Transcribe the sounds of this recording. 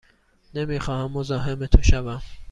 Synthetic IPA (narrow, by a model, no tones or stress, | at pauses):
nemiːxɒːhæmːozɒːɦemet̪ʰoʃævæm